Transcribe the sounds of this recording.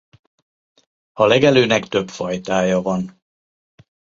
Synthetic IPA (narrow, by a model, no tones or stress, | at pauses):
ɒlɛɡɛløːnɛkt̪ø̞pfɒjt̪aːjɒvɒn